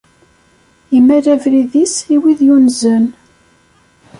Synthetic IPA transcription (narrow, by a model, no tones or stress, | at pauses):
imːæɾævɾiðisiwiðjunzən